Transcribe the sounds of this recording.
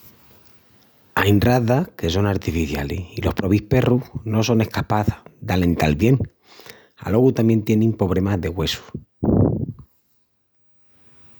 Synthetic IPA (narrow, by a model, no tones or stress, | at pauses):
ajnraðahke̞so̞ŋaɾt̪ifiθjaliilo̞hpɾo̞βihpe̞ruhno̞so̞ne̞hkapaθd̪ale̞nt̪alβje̞ŋ | a̰lo̞ɣut̪amje̞nt̪je̞nẽŋpo̞β̞ɾe̞mazðe̞ɣwe̞su̥